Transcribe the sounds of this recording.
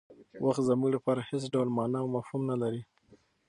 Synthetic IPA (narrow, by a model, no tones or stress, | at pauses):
wʔaxt̪zamuɡlapɑɾahesɖawlmɑnɑwmafhumnalaɾi